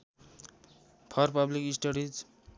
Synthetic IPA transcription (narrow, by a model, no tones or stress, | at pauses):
pʰʌrpʌblikisʈʌɾid͡z